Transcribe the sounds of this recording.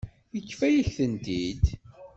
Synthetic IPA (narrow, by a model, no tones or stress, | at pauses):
jəkːfæjəɬθənt̪id̪